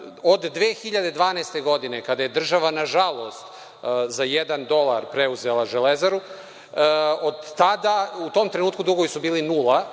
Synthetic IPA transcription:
od̪ːʋeːxiʎad̪ed̪ʋaːnaest̪e̞ɡo̞d̪ine̞kad̪ajed̪r̩ʒaʋanaʒalˠo̞st̪ | zajed̪and̪o̞lˠa̰ɾpɾeuzelˠaʒelezaɾu | od̪ːad̪aut̪oːmt̪ɾenuːt̪̚kud̪ɾuɡojisubiːlinulˠa

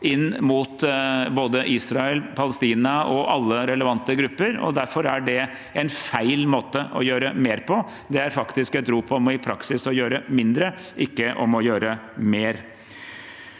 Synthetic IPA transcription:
ɪnːmuːt̪boːd̪əʔiːsɾɑɛlpʰɑləst̪iːnɑʔɔʔɑlːəɾɛləʋɑnt̪əɡɾʉpːəɾɔ̰d̪æɾfɔɾæɖɛ | ɛnfæɪlmoːt̪əʔɔjøːɾəmeːɾpʰɔ | d̪ɛæɾfɑkt̪ɪskɛt̪ɾuːpʰɔmɪpʰɾɑksɪsɔjøːɾəmɪnd̪ɾəʔɪkːəʔɔmɔjøːɾəmeːɾ

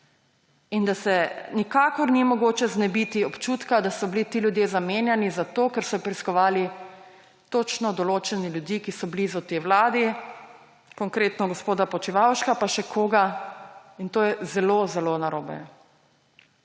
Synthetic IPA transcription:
ind̪asɛnikaːkɔɾnimɔɡoːt͡ʃɛznɛbit̪iɔpt͡ʃut̪kad̪asɔblit̪iːljud̪jezameːnjɛnizat̪oːkɛɾsɔpɾiskɔʋaːli | t̪oːt͡ʃnɔd̪ɔloːt͡ʃɛniljud̪ikisɔblizɔt̪ewlaːd̪i | kɔŋkɾeːt̪nɔɡɔspoːd̪apɔt͡ʃiʋawʃkapaʃɛkʰoːɡa | int̪oːjɛzɛlozɛlonaɾoːbɛ̰

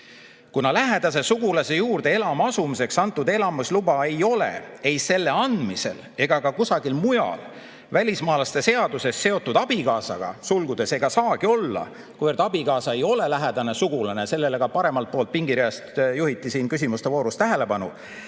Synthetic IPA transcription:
kunɑlæɦed̪̥ɑse̞suɡ̥ulɑse̞juːrd̪̥e̞e̞lɑmɑsumise̞ksɑnt̪ːˑud̪e̞lɑmuslubɑe̞jo̞le̞̰e̞jse̞lːe̞ɑnd̪̥mise̞l | e̞ɡ̥ɑkɑkusɑɡ̥ilmujɑ̰l | vælʲismɑːlɑst̪e̞se̞ɑd̪̥use̞sːe̞o̞t̪ːˑud̪ɑb̥ikɑːsɑɡ̥ɑ̰sulɡ̥ud̪e̞se̞ɡ̥ɑsɑːɡio̞lːɑ̰ | kuvørt̪ːˑɑb̥ikɑːsɑe̞jo̞le̞læɦæd̪̥ɑne̞suɡ̥ulɑnese̞lːe̞le̞ɡ̥ɑpɑɾe̞mɑlt̪̚po̞ːlt̪̚piŋɡiɾiɑst̪juhit̪ːˑisiːnkys̬ʲimust̪e̞vo̞ːɾust̪æɦe̞le̞pɑnṵ

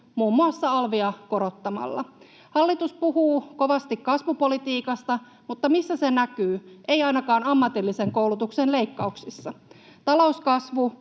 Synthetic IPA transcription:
muːmːuɑsːɑɑlʋiɑko̞ɾo̞t̪ːɑmɑ̰lːɑ̰ | hɑlːit̪uspuɦuːko̞ʋɑst̪ikkɑsʋupo̞lit̪iːkɑst̪ɑ | mut̪ːɑmisːæsenækyːʔejɑjnɑkɑːnɑmːɑt̪ilːise̞ŋko̞ulut̪uksenle̞ikːɑuksisːɑ | t̪ɑlo̞uskɑsʋu

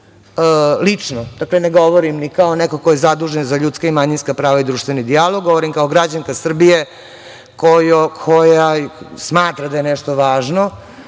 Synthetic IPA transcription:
əlit͡ʂnod̪̥akleneɡo̞ʋoɾimnikaonɛkokojezad̪uːʒenzaʎuːt̪skaimaɲinskapɾaːʋaid̪ɾuːʃt̪ʋe̞nid̪ijaloɡoʋoɾimkaoɡɾad͡ʑaŋkasr̩bije | kojokʰojasmaːt̪ɾad̪ajenɛʂt̪oʋaːʒno

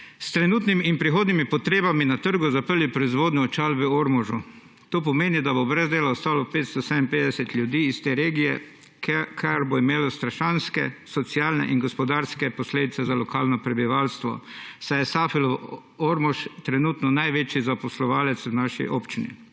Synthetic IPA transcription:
st̪ɾɛnuːt̪nimiːnpɾixoːd̪nimipɔt̪ɾeːbaminat̪əɾɡʊzapəɾlipɾɔizʋoːd̪nɔɔt͡ʃaːlbɛoɾmɔʒu | t̪oːpɔmeːnid̪abobɾɛzd̪eːlaɔst̪aːlɔpet̪st̪ɔsɛd̪impeːd̪ɛsɛt̪lʲjud̪iːst̪eːɾeːɡijɛ | kʰaɾboimeːlɔst̪ɾaʃanskɛsɔt̪sijaːlnɛ̰ʔinɡɔspɔd̪aɾskɛpɔsleːd̪it̪sɛzalɔkaːlnɔpɾɛbiʋaːlst̪ʋɔ̰sajɛsaːfilɔ | oɾmɔʃt̪ɾɛnuːt̪nɔnajʋeːt͡ʃizapɔslɔʋaːlɛt̪snaʃḭʔoːpt͡ʃinḭ

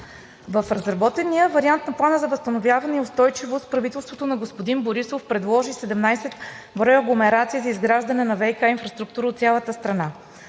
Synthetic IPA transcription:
vəfɾɐzɾɐbɔt̪ɛnijəvɐɾiant̪nɐplˠanəzɐvəst̪ənovʲjavɐnɛiʊst̪ɔjt͡ʃivost̪pɾɐvit̪ɛlˠst̪vot̪onɐɡospod̪inboɾisofpɾɛd̪lˠɔʒisɛd̪ɛmnajsɛt̪ | bɾɔjəɡlˠomɛɾat̪siəzɐizɡɾaʒd̪ɐnɛnɐvɛjkainfɾɐst̪ɾuk̚t̪uɾəot̪sʲjalˠət̪əst̪ɾɐna

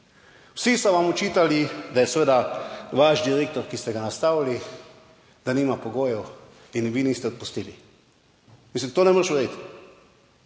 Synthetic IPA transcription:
wsisɔʋamut͡ʃiːt̪alid̪ajɛsʋeːd̪aʋaʒd̪iɾeːkt̪ɔɾkist̪ɛɡanast̪aːwli | d̪aniːmapɔɡoːjɛw | inʋinist̪ɛɔt̪̚pust̪iːli | mis̬limt̪oːnɛmoɾʃʋɛd̪et̪

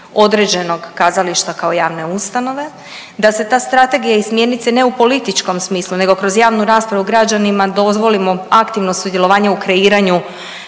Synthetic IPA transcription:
o̞d̪ɾe̞d͡ʑe̞no̞ɡkaːzaliʃt̪akao̞jaːʋne̞ust̪ano̞ʋe̞ | d̪ase̞t̪aːst̪ɾat̪e̞ɡijaismje̞nit̪seneupo̞lit̪it͡ʃko̞msmiːslˠune̞ɡo̞kɾo̞zjaːʋnuɾaːspɾaʋuɡɾad͡ʑanimad̪o̞zʋo̞limo̞akt̪iʋno̞sud̪je̞lˠo̞ʋaːɲeukɾe̞iːɾaɲu

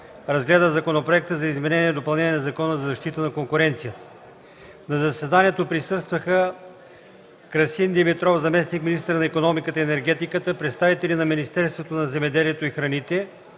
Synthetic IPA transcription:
ɾɐzɡlɛd̪əzɐkonopɾoɛk̚t̪əzɐizmɛnɛniɛd̪opɐlˠnɛnʲiɛnɐzɐkɔnəzɐzɐʃt̪it̪ənɐkoŋkʊɾɛnt̪sijət̪ə | nɐzɐsɛd̪aniɛt̪opɾisɤst̪vəxə | kɾɐsind̪ɛmit̪ɾɔfzɐmɛsnikminist̪əɾnɐɛkonɔmikət̪əiɛnɛɾɡɛt̪ikət̪əpɾɛt̪st̪avit̪ɛlʲinɐminist̪ɛɾst̪vot̪onɐzɛmɛd̪ɛliɛt̪oixɾɐnit̪ɛ

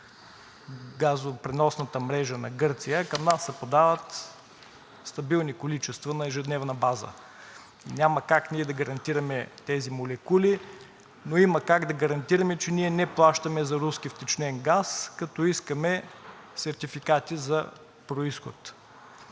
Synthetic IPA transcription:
ɡazopɾɛnɔsnɐt̪əmɾɛʒənɐ̰ɡɤɾt̪sijəkɐmnasːɛpod̪avət̪ | st̪ɐbilˠnikolit͡ʃɛst̪vɐnɐɛʒɛd̪nɛvnɐbazə̰ | nʲamɐkakniɛd̪ɐɡɐɾɐnt̪iɾɐmɛt̪ɛzimolɛkuli | noimɐkaɡd̪ɐɡɐɾɐnt̪iɾɐmɛt͡ʃɛniɛnɛplˠaʃt̪ɐmɛzɐɾuskift̪ɛt͡ʃnɛŋɡaskɐt̪ɔiskəmɛ | sɛɾt̪ifikat̪izɐ | pɾoisxʊt̪

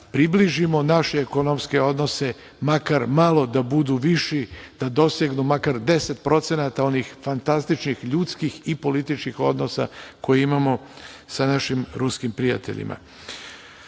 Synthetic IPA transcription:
pɾibliʒimo̞naʃeːko̞no̞mske̞o̞d̪no̞se̞ | makaɾmalˠo̞d̪abud̪uʋiʃid̪̥ad̪o̞seɡnumakaɾd̪e̞set̪̚pɾo̞t̪se̞nat̪ao̞nixfant̪ast̪it͡ʃnixʎuːt̪skixipo̞lit̪it͡ʃkixo̞d̪no̞sa̰ko̞jeimamo̞ | sanaʃimɾuskimpɾija̰t̪e̞̰ʎḭma̰

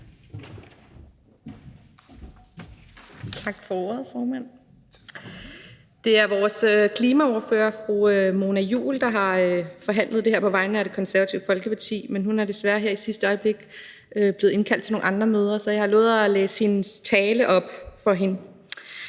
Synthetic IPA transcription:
t͡sʰɑ̈ɡ̥fɒo̝ɐ̰ð̩ˠfɒːmæn̰ | d̥e̝æɐʋɒːsøkʰliːmæo̝ɐfø̰ːɐfʁuømo̝ːnæjṵːld̥ɑ̈ɦɑ̈øfɒ̽ɦæn̰lðˠd̥eheɐ̰pʰɒ̽ʋɑ̈ɪ̰nəæɾ̥e̝kʰɒ̽nsæɐæt͡sʰiʊəfɒ̽lɡ̥əpʰɑ̈t͡sʰḭːmenhunæɐd̥e̝sʋæɐɦeɐ̰isisd̥əɒ̽ɪb̥le̝ɡ̥ | øb̥le̝ð̩ˠe̝nkʰæl̰d̥ʰe̝no̝ːŋnɑ̈nd̥ʁɐmøːð̞ˠɐsɒ̽jɑhɑlɔ̰ːð̩ˠæleːsə̥he̝nst͡sʰɛːləʔɒ̽b̥fɒ̽ɦe̝n

